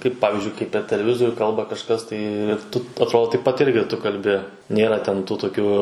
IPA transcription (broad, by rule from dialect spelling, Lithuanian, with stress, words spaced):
ˈkɐɪp ˈpɑːʋʲɪzʲd͡ʒʲʊɪ kɐɪp pʲɛr tʲɛlʲɛˈʋʲɪzoːrʲuː ˈkɐlˠbɐ kɐʃˈkɐs ˈtɐɪ ɪr ˈtʊ ɐtˈroːdoː tɐɪp pɐt ˈɪrʲɡʲɪ ˈtʊ kɐlʲˈbʲɪ ˈnʲeːrɐ tʲɛn tuː toːˈkʲuː